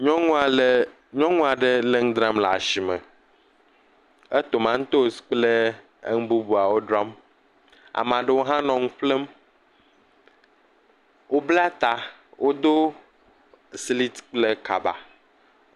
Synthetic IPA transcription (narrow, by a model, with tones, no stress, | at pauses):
ɲɔ̃˦ŋũ˦a˨l | ɲɔ̃˦ŋũ˦a˨ɖe˦le˦ŋ̩̃˦d̪ɾa˦mla̰˨ʃi˨mḛ˨ | e˦t̪o˨mã˦ŋ̩̃˦t̪o˦˨si̥˨k͡plḛ˦ | ŋũ˦bu˦bu˨a˨wo˦dɾa˦m | a̰˨mã˨ɖe˦wo˦ɦã˦nɔ̃˨ŋũ˦ɸle˦m | wo˦bla˦t̪a˨ | wʔo˦d̪o˦ | sli˦t̪k͡ple˦ka̰˨ba̰˨